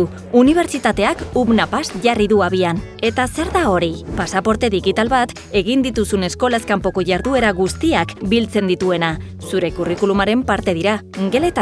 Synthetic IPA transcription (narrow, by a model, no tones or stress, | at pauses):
u | uniβ̞e̞ɾt͡ʃit̪at̪e̞akuβnapasʝariðuaβian | e̞t̪ase̞ɾðao̞ɾipasapo̞ɾt̪e̞ðiɣit̪alβat̪ | e̞ɣind̪it̪usune̞sko̞laeskampo̞ko̞ʝaɾðue̞ɾaɣust̪iakbilt͡se̞nd̪it̪ue̞na | suɾe̞kurikulumaɾe̞mpaɾt̪e̞ðiɾa | ŋɡe̞le̞t̪a